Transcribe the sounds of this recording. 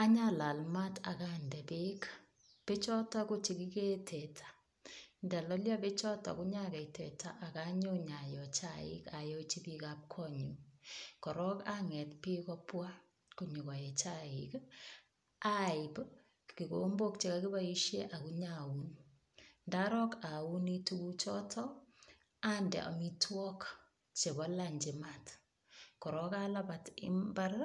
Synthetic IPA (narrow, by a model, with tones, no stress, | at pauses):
a˦ɲala˨lma˦tʰa̰˨ka˦ndɛ˨be˦k | pe˦t͡ʃɔ˦ta˦ku˦t͡ʃi˨ki˦ke˦tʰɛ˨tʰḁ˨ | nda˨lɔ˦lja˦be˦t͡ʃɔ˦ta̰˨ku˦ɲa˦kɛ˨i˨tɛ̰˨tʰa̰˨ʔa˨ka˦ɲo˦ɲa˨jɔt͡ʃa˦ḭ˦ka˨jɔ˦t͡ʃi˦pi˦ka˦p̚kʰɔɲu˨kɔ˨ɾɔ˦kaŋɛ˨tpi˦kɔ˦pwa˦ | ku˨ɲu˨kɔ˨jɛ˨t͡ʃaɪk | a˦ɪp | ki˨kombo˦k̚t͡ʃe˨ka˦ki˦bai˦ʃje˦ʔa˨kuɲaun | ndaɾɔ˦ka˨u˦ni˦tu˦ku˦t͡ʃɔ˦tʰɔ | andɛ̰˨ʔɔ̰˨mi˦twɔ˦k | t͡ʃe˨bɔ˦laɲd͡ʒɪ˨mat | kɔ˨ɾɔkalabatɪ̰mba˦r